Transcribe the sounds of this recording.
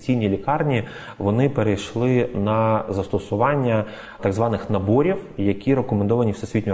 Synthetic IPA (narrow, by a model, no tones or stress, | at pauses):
t͡sʲijnʲilʲikɑrnʲi | ʋɔnɪpeɾejʃlˠɪnɐzɐst̪ɔsʊʋɑnʲːɐ | t̪ɑɡzʋɑnɪxnɐbɔɾʲiwjɐkʲiɾekɔmend̪ɔʋɐnʲiwsɛsʲʋʲit̪̚ʲ